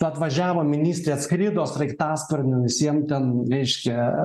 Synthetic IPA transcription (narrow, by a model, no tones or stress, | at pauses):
ʊɐt̪ʋɐʒʲæːʋoːmʲɪnʲiːsʲt̪ʲɾʲeːsskɾʲɪd̪oːsrɐɪkt̪ɑːspɐrʲnʲoʋʲɪsʲiɛmt̪ʲɛnɾʲɛɪʃʲkʲɛ